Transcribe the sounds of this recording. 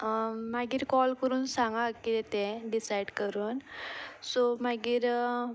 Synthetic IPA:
maɡiːɾkɔlkəɾuːnsãŋɡakit̪ɛt̪ɛ̃ɖisajɽkəɾuːnsomaɡiːɾ

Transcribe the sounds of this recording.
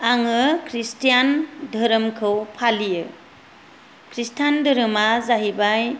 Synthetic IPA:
aŋɯkʰɾistijandʱɯɾɯmkʰɯwpʰalijɯ | kʰɾistʰandɯɾɯmazaɦibaj

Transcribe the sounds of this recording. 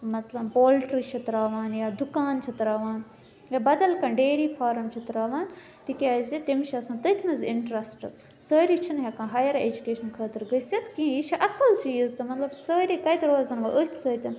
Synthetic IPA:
mɐt̪lɐbpoːlʈɾit͡ʃʰɐt̪ɾaːʋaːnjaːd̪ukaːnt͡ʃʰit̪ɾaːʋaːn | jaːbɐd̪ɐlkɐ̃ːɖeːɾiːfʰaːɾɐmt͡ʃʰit̪ɾaːʋaːn | t̪ikʲaːzit̪imʃʰiɐsãːt̪ɐt̪ʰnɐzɪɳʈɾɐsʈɐt̪ | səːɾit͡ʃʰinɦɐkãːɦaːjɐɾeːd͡ʒukeːʃɐnkʰɐːt̪ɐɾɡəsɐt̪kĩːjit͡ʃʰiʔɐsɐlt͡ʃiːzt̪ɐmɐt̪lɐbsəːɾʲikɐit̪ɐɾoːzɐnʋɐʔəit̪ʰsəːt̪ʲɐn

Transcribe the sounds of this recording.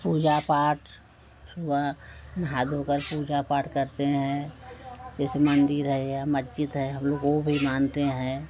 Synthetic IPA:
puːd͡ʒapaːʈ | sʊbanɦaːd̪ʱoːkəɾpuːd͡ʒapaːʈkəɾt̪eɦɛ̃ | d͡ʒɛːsemə̃nd̪ɪɾɦɛjamətːt͡ʃɪt̪ɦɛɦɐ̃mloːɡobʱimaːnt̪eɦɛ̃

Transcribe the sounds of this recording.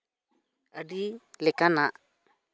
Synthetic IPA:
aɖilɛkanaʔ

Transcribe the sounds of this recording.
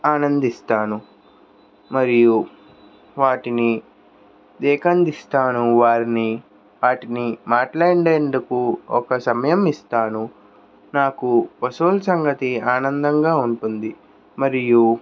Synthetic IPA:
aːnɐnd̪ist̪aːnu | mɐɾiju | ʋaːʈini | d̪ɛːkɐnd̪ist̪aːnuʋaːɾini | ʋaːʈinimaːʈlaːɖeːnd̪ukuɔkɐsɐmɐjɐmist̪aːnu | naːkupɐsoːlsɐŋɡɐt̪iaːnɐnd̪ɐŋɡaːuɳʈund̪i | mɐɾiju

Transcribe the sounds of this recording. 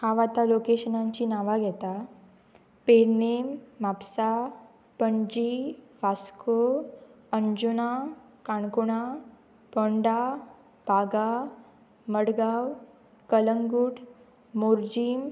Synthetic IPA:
haʋat̪alokeɕənãɲt͡ɕiːnaʋaɡʱɛt̪a | peɽnemːapsa | pəɳd͡ʑiʋaskopənd͡ʑuna | kaɳkuɽ̃a | pɔɳɖa | bʱaɡa | məɽɡaw | kələŋɡuːʈ | moɾd͡ʑiːm

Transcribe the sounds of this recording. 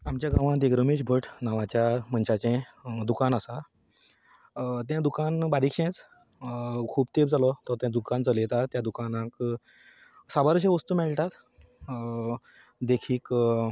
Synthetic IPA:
amt͡ɕjaɡãʋãd̪eɡɾəmeɕbʱəʈnaʋat͡ɕjaməɳɕat͡ɕɛ̃d̪ukanəsa | t̪jãd̪ukanbaɾikɕɛ̃t͡s | kʰuːbt̪ebd͡zalɔt̪ɔɾt̪jãd̪ukand͡zəlet̪at̪jad̪ukanãk | sabaɾəɕ̬ẽʋəst̪uːmɛɭʈ̪at̪ | d̪ekʰiːk

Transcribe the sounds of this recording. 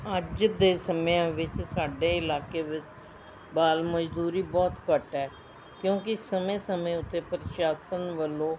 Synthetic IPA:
əd͡ʒd̪eːsəmjãːʋɪt͡ʃsaːɖeːɪlaːkeːʋɪt͡ʃ | baːlməd͡ʒd̪uːɾiːbɔːt̪kəʈɛː | kjõːkɪsəmẽːsəmẽːʊt̪ːeːpɾəʃaːsənʋəlːõː

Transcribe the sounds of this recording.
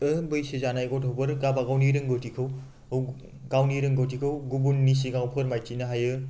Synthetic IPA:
ɯbɯjsezanajɡɔtʰowbɯɾɡabaɡawniɾɯŋɡɯwtʰikʰɯw | w | ɡawniɾɯŋɡawtʰikʰɯwɡubunːis̬iɡawpʰɯɾmajt͡ʃinaɦajɯ

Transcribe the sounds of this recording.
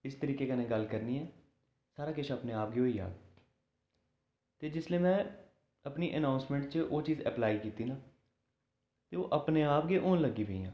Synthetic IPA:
ɪst̪əɾiːkeːkənẽːɡəlkəɾniːɛː | saːɾaːkɪt͡ʃʰəpneːaːp̚ɡeːɦoːiːa̰ːɡ | t̪eːd͡ʒɪsleːmɛ̃ː | əpniːʔənãːʊ̃nsmɛ̃ːɳʈt͡ʃəʔoːt͡ʃiːzɛ̰plaːiːkiːt̪iːnãː | t̪eːoːʔəpneːaːpɡeːʔoːnləɡiːpeḭːã̰ː

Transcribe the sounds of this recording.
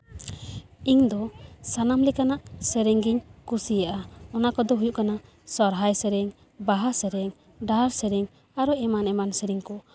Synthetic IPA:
iŋd̪ɔsanamlɛkanaʔsɛɾɛŋɡiɲkusijaʔaɔnakɔd̪ɔɦujuʔkana | sɔɾɦajsɛɾɛŋ | baɦasɛɾɛŋ | ɖaɾsɛɾɛŋ | aɾɔɛmanɛmansɛɾiŋkɔ

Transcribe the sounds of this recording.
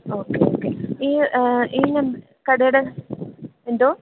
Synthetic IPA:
oːkeo̰ːkeiːiːnɐm | kɐɽɐjɽe | end̪oː

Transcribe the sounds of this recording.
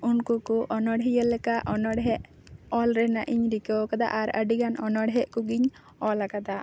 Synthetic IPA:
unkukuʔɔnɔɽɦijəlɛkaʔʔɔnɔɽɦɛʔ | ɔlɾɛnaʔiɲɾikewkad̪a̰ʔaɾəɖiɡanɔnɔɽɦɛʔkuɡiɲ | ɔlakad̪a

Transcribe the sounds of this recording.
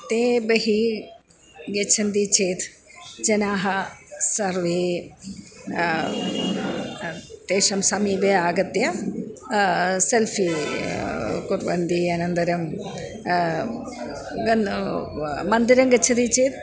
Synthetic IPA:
t̪eːbeɦi | ɡet͡ʃʰɐnd̪it͡ʃeːt̪ | d͡ʒɐnaːɦɐsɐɾʋi | t̪eːʃɐmsɐmiːbeaːɡɐt̪jɐ | selfʰi | kuɾʋɐnd̪iːɐnɐnd̪ɐɾɐm | ɡɐ | mɐnd̪iɾɐmɡet͡ʃʰɐnd̪it͡ʃeːt̪

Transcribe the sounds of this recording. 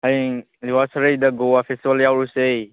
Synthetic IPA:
haj | liwasɾejdɐɡoapʰestibljawɾusej

